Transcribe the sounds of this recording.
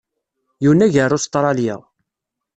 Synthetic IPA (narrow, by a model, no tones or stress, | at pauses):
juwnːæʝərːʊst̪ˤɾˤɑljə̰ʁ